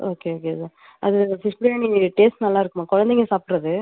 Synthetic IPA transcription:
ʔoːkeoːkeɐð | ɐðɯsɪsʈɽeːɳiʈeːsʈnɐlːaːɪɾɯkːɯmaːkɔɻɐnd̪eŋɡesaːpɪɾɐðɯ

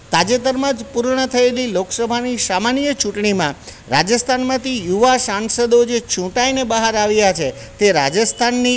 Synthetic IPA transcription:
t̪ad͡ʒet̪əɾmãd͡ʒpuɾɳət̪ʰəeliloksəbʱanisamanijət͡ʃũʈɳimã | ɾad͡ʒəst̪ʰanmãt̪ijuʋasãnsəd̪od͡ʒet͡ʃʰũʈainebəɦaɾaʋjat͡ʃʰe | t̪eɾa̰d͡ʒəst̪ʰanːi

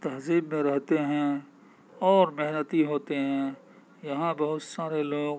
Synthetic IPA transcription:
t̪ɐɦziːbmẽɾɛɦt̪eɦɛ̃ | ɔːɾmɪɦnət̪iɦoːt̪eɦɛ̃ | jɐɦãbɐɦʊt̪saːɾeloːɡ

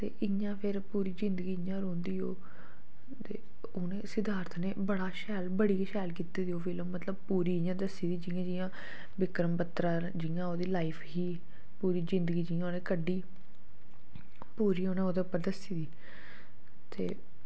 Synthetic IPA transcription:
t̪ḛːʔɪ | ãːpʰɪɾpuːɾiːzɪ̃nd̪ɡiːãːɾõːnd̪iːo̰ː | t̪eː | oːnẽːsɪd̪aːɾt̪ʰneːbəɽaːʃɛːlbəɽiːkʃɛːlkit̪iːd̪ioːpʰɪlõːmət̪ləb̚puːɾiːɪjãːd̪əsːiːd̪iːd͡ʒɪjãːd͡ʒɪjãː | ʋɪkɾəmpət̪ɾãː | d͡ʒɪjãːoːd̪iːlaːipʰɦiː | puːɾiːzɪ̃nd̪əɡiːd͡ʒɪjãːoːnẽːkəɖːiː | puːɾiːoːnẽːoːd̪eəpːəɾd̪əsiːd̪iː | t̪ḛː

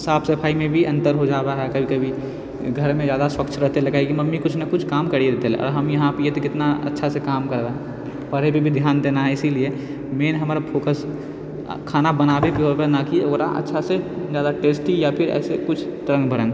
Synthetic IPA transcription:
saːbʰsɐpʰaːimẽbʱiʔɐ̃nt̪əɾɦod͡ʒaːɾaɦɛkɐbʱikɐbʱi | ɡʱəɾmẽd͡ʒjaːd̪aswəkt͡ʃʰɾəɦt̪elɐɡaikimɐmːikʊt͡ʃʰnɐkʊt͡ʃʰkaːmkəɾid̪et̪elɛ̰ʔɔ̰ːɾɦɐmjɐɦãpiet̪okɪt̪naɐ̰tːʃʰasekaːmkəɾɾəɦɛ̃ | pəɽebʱibʱid̪ʱjaːnd̪eːnaɦɛɪsilie | meːnɦɐmɾapʰoːkəs | kʰaːnabɐnaːbebiɦobenakioːɾa̰ʔɐ̰tːʃʰased͡ʒjaːd̪aʈeːsʈijapʰɪɾɛ̰ːsekʊt͡ʃʰt̪ɾə̃ŋɡbʱəɾə̃n

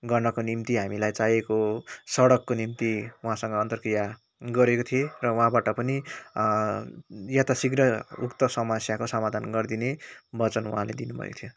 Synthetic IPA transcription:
ɡʌrnʌkonimt̪iɦamilajt͡sajekosʌɽʌkːonimt̪iuɦãsʌŋɡʌːnt̪ʌrkrija | ɡʌɾekot̪ʰierʌuɦãbaʈʌpʌni | jat̪asiɡrʌṵkt̪ʌsʌmʌsjakosʌmad̪ʱanɡʌrd̪inebʌt͡sʌnuɦãlḛd̪inubʱʌ̰jḛkot̪ʰjo

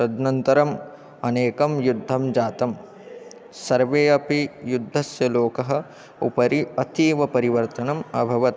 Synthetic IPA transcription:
sɐd̪nɐnt̪ɐɾɐm | ɐneːkɐmjud̪ʱːɐmd͡ʒaːt̪ɐm | sɐɾʋeːɐpijud̪ʱːɐsjɐloːkɐɦɐ̆ | ṵpɐɾiɐt̪iːʋɐpɐɾiʋɐɾt̪ɐnɐmɐ̰bʱɐʋɐt̪̚

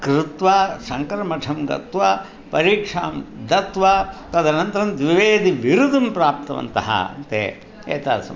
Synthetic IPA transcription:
kɾɪt̪ʋaːsɐŋkɐɾɐmɐʈʰɐmɡɐ̰t̪ʋa | pɐɾiːkʂaːmd̪ɐt̪ʋaːt̪ɐd̪ɐnɐnt̪ɐɾɐnd̪ʋiʋeːd̪iʋiɾud̪ɐmpɾaːp̚t̪ɐʋɐ̰nt̪ɐ̰ɦɐ̰ɐ̰nt̪ḛː | ḛːt̪a̰ːsɐm

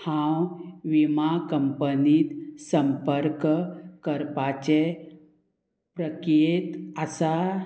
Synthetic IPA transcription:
hãwʋimakəmpəniːt̪səmpəɾkkəɾpat͡ɕe | pɾəket̪əsa

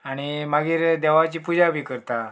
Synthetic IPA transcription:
aɽ̃imaɡiːɾd̪ɛʋat͡ɕiːpud͡ʑabʱikəɾt̪a

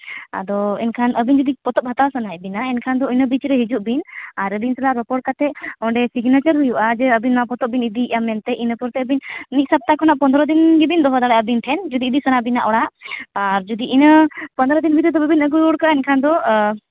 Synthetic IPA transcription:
a̰d̪ɔɛ̰nkʰanʔəbind͡ʒud̪ipɔt̪ɔp̚ɦat̪awsənaɛbinaɛnkʰand̪ɔinəbit͡ʃɾɛɦid͡ʒuʔbinaɾəbinsalaʔɾɔpɔɖkat̪ɛʔɔɳɖɛsiɡnat͡ʃəɾɦujuʔad͡ʒɛəbinmapɔt̪ɔp̚binid̪iːʔamɛnt̪ɛʔinəpɔɾt̪ɛəbinmit̪̚sap̚t̪akʰɔnaʔpɔnd̪ɾɔd̪inɡɛbind̪ɔɦɔd̪aɽaəbinʈ̪ʰɛnd͡ʒud̪iːd̪isənaʔbinaʔɔɽaʔaɾd͡ʒud̪iʔinəpənd̪ɔɾɔd̪inbit̪ɛd̪ɔbɛbinəɡujuɽkaʔɛnkʰand̪ɔ

